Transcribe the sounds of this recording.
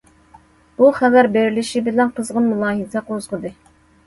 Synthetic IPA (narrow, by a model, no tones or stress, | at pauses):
b̥uχævæɾbeɾilɪʃibɪlɛnqʰəzʁʊnmulˠɑːɦizɛqozʁəd̪ɨ